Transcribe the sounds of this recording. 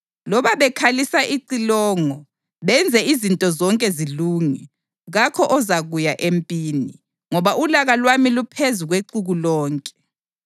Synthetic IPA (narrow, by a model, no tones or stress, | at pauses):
lɔβaβɛkʰalisaʔiǀilɔːŋɔ | βɛnd͡zʱɛizintʼɔzɔŋkʼɛziluːŋi | ɣakʰɔʔɔzaɣujaʔempʼiːni | ŋɔβaʔulaɣalwamilupʰezuɣweǀuɣulɔːŋkʼɛ̥